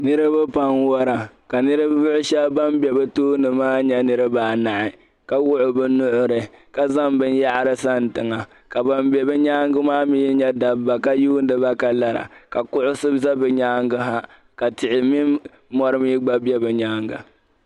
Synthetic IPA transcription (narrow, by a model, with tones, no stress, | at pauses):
nɨ˦ɾɨ˦bɨ˦pa˦nwɔ˦ɾa˨ | ka˨nɨ˦ɾɨ˦bʊ˦ʔʊ˦ʃɛ˦bba˦mbɛ˨bɨ˦toː˦nɨ˨maː˦ɲɛ˦nɨ˦ɾɨ˦baː˨na˨ʔɪ˨ | ka˦wʊ˦ʔʊ˨bɨ˦nʊ˦ʔʊ˦ɾɨ˨ka˦za˦mbɨ˦n˦ja˦ʔɾɨ˦sa˦n˨tɨ˨ŋa˨ | ka˨ba˦mbjɛ˨bɨ˦ɲaː˦ŋɡɨ˦maː˦mi˦ji˦ɲɛ˦da˨bːa˨ka˦juː˦n˦dɨ˦ba˦ka˨la˨ɾa̰˨ka˨kʊ˦ʔʊ˦sɨ˦bza˦bɨ˨ɲaː˦ŋɡɨ˦ɦa˦ | ka˨tɪ˨ʔɪ˨miː˦ | ɔ˦ɾɨ˦miː˦ɡ͡ba˦bjɛ˦bɨ˨ɲaː˦ŋɡa̰˨